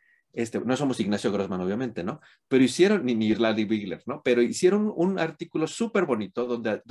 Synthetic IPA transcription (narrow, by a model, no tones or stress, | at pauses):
est̪eno̞so̞mo̞siɣnasjo̞ɣɾozmãno̞βjamẽnt̪e̞no̞ | pe̞ɾoisje̞ɾo̞nːiniːɾland̪iβiɣleɾno̞pe̞ɾoisje̞ɾo̞nunaɾt̪ikulo̞supe̞ɾβo̞nit̪o̞ðond̪ea